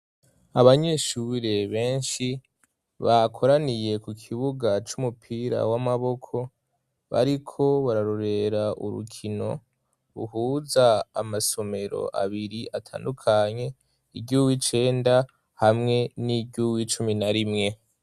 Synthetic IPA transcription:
aβaɲe̞ʃuɾe̞βe̞ːnʃi | βakʰo̞ɾanije̞kukʰiβuɡat͡ʃumupʰiɾa̰wamaβo̞kʰo̞ | βa̰ɾikʰo̞βaɾaɾoɾe̞ɾaʔṵɾṵkʰino̞̰ | ɾṵɦuːza̰ːmaso̞me̞ɾo̞̰ʔa̰βiɾiʔatʰa̰ːndukʰaɲe̞ | iɡɟuwit͡ʃe̞ːnda | hamŋe̞niɡɟuwit͡ʃuminaɾimŋe̞

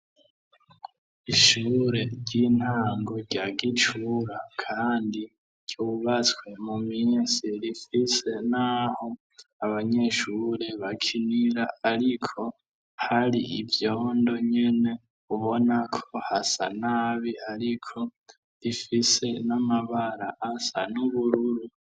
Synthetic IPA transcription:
iʃuːɾe̞ɾɟin̥haːŋɡo̞ɾɟaɡit͡ʃuɾakʰaːndi | ɾɟjuːβat͡swe̞muminsiɾifise̞naho̞ | aβaɲe̞ʃuɾe̞βakʰiniɾaaɾikʰo̞ | haɾiʔivjoːndo̞ɲe̞ne̞ | uβo̞nakʰohasa̰naːβihaɾikʰo̞ | ɾifise̞namaβaɾaʔːsa̰nuβuɾuɾu

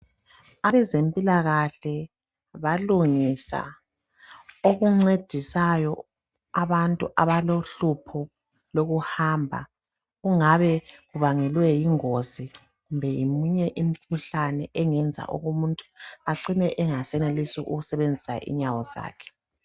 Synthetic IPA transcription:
aβɛzempʼilaɣaɬɛ | βaluŋisa̰ | oɣuŋ͡ǀed̥ʱisajɔ | aβantʼuʔaβaloɬupʰɔ | loɣuhaːmbʱa̰ | ɣuŋaβɛɣuβaŋɛlwɛjiŋozi | ɣumbʱɛjimuɲɛʔim̩kʰuɬanɛʔɛŋɛnd͡zʱa̰ʔo̰ɣumuntʼu̥aǀinɛʔɛŋasɛnelisiʔuɣusɛβend͡zʱisa̰ḭɲawɔza̰ːkʰɛ̥

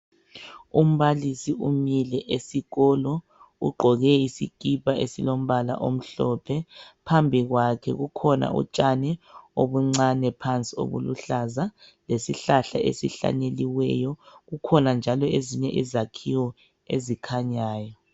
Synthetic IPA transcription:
um̩βalisiumilɛʔesiɣɔlɔ | ṵɡ͡ǃʱɔɣɛisikʼipaʔesilom̩βala̰ʔom̩ɬɔpʰɛpʰambʱiɣwakʰɛɣukʰɔna̰ʔṵt͡ʃʼanɛoβuŋ͡ǀanɛpʰant͡sʼio̰βṵluɬazalesiɬaɬa̰ʔḛsiɬa̰ɲeliwɛ̰ːjɔɣukʰɔnand͡ʒʱalɔeziɲɛʔizakʰiwɔ | ḛzikʰaɲaːjɔ

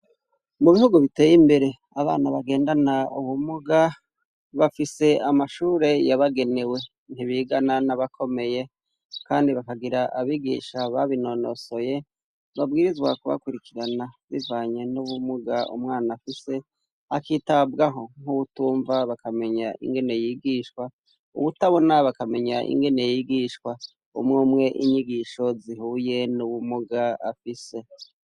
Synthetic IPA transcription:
muβihuɡuβite̞ːjimbe̞ɾe̞ | aβa̰ːnaβaɡe̞ːndanauβumuɡa | βafise̞amaʃuːɾe̞jaβaɡe̞ne̞we̞ | n̥iβiɡananaβakʰo̞me̞je̞ | kaːndiβakaɡiɾaʔaβiɡḭʃaβaβino̞no̞̰so̞je̞ | βabɡiːɾizɡwa̰kuβa̰kuɾikiɾanaβivaːɲe̞nuβumuɡaṵmŋaːnafise̞ | akiːtabɡaɦo̞ŋ̥uβutuːɱvaβakame̞ɲaʔḭŋɡe̞ne̞jiːɡiːʃkwa | ṵβutaβo̞naβakame̞ɲaʔḭŋɡe̞ne̞jiɡiʃkwa | ṵmŋuːmŋe̞ʔiɲiɡiːʃo̞zihuːje̞nuβumuɡaa̰fise̞

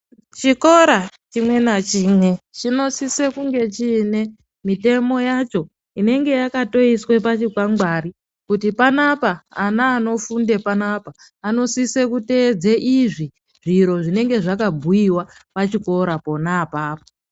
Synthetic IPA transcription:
t͡ʃiko̞ɾat͡ʃimwe̞nat͡ʃiːmwe̞t͡ʃino̞sisekuŋɡe̞t͡ʃine̞ | mite̞mo̞jat͡ʃo̞ | ine̞ŋɡe̞jakato̞iswe̞pat͡ʃikwaŋɡwaɾi | kutipanapaanaːno̞funde̞panaːpaː | no̞sisekute̞d͡zeʔiʐi | ʐ̥iɾo̞ʐine̞ŋɡe̞ʐakabʱujiwapat͡ʃiko̞ɾapo̞naːpaːpo̥

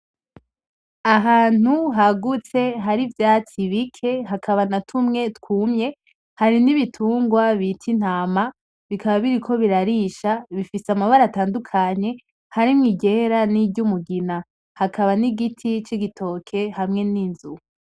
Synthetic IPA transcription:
aɦaːn̥uɦaɡut͡se̞ɦaɾivjaːt͡siβikʰe̞ɦakʰaβanatʰumŋe̞tkuːmɲe̞ | haɾiniβitʰuːŋɡwaβitʰin̥haːma | βikʰaβaβiɾikʰo̞βiɾaɾiʃaβifisamaβaɾataːndukʰaɲe̞ | haɾimŋiːɟeɾanibɟumuɡina | hakʰaβaniɡitʰit͡ʃiɡitʰo̞kʰe̞hamŋe̞ninzu

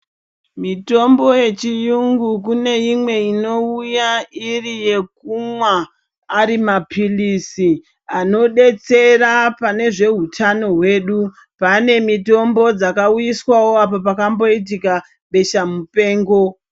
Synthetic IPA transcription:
mito̞mbo̞je̞t͡ʃijuŋɡuk̬une̞imwe̞ino̞ujairije̞k̚umwaː | ɾimapʰilisi | ano̞ɗe̞t͡se̞rapane̞ʐe̞ɦutʰano̞ɦwe̞ːɗu | pane̞mito̞mbo̞d͡zakaujiswawo̞apopakambo̞it̬ika | ɓe̞ʃamupe̞ːŋɡo̞

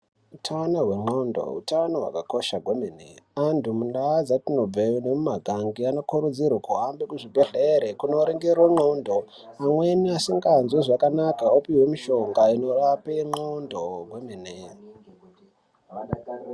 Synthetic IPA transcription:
utʰanoɦwe̞ŋ͡ǃondo̰ṵtanoɦwa̰kakoʃaɡʱwemenḛandumunɗaːd͡zatino̞b͡venemumaɡʱaŋɡiano̞kuɾud͡zirwokuɦambekuʐibʱeɮeɾekuno̞ɾeŋɡerwoŋ͡ǃondo | amwe̞niasiŋɡanzuʐakanakaopiwe̞miʃo̞ŋɡaino̞rapeŋ͡ǃondoɡʱwemene

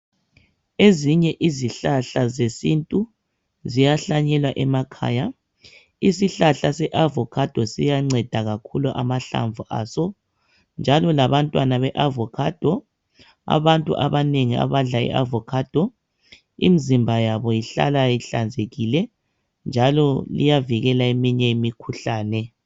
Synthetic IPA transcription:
eziɲɛʔiziɬaɬazesintʼu | zijaɬaɲɛlwaʔɛmakʰa̰ːja | isiɬaɬasɛʔavɔkʰad̥ʱɔsijaŋ͡ǀɛd̥ʱaɣakʰuluʔa̰maɬa̰ɱvʱuʔaːsɔ | nd͡ʒʱalɔlaβantʼwanaβɛʔavɔkʰad̥ʱɔ | a̰βantʼṵʔa̰βaneŋia̰βaɮaɛ̰ʔavɔkʰad̥ʱɔ | ḭmizimbʱajaβɔjiɬa̰lajiɬand͡zʱeɣilɛ | nd͡ʒʱalɔlḭjaviɣɛlaemiɲɛimikʰuɬaːnɛ

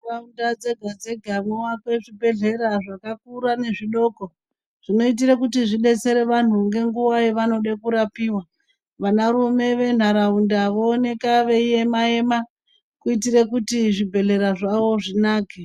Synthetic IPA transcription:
raundad͡ze̞ɡʱad͡ze̞ɡʱanowakwe̞ʐibʱe̞ɮe̞ɾaʐakak̚uɾane̞ʐiɗo̞ːko̞ | ʐ̥ino̞it̬iɾekutiʐiɗe̞t͡se̞ɾe̞ʋan̤uŋɡe̞ŋɡuwaiʋano̞ɗekuɾapiːwa | ʋanaɾume̞ʋe̞n̤aɾaundaʋoːne̞kaʋeije̞mae̞ma | kuit̬irekutiʐibʱe̞ɮe̞ɾaʐaʋo̞ʐinaːke

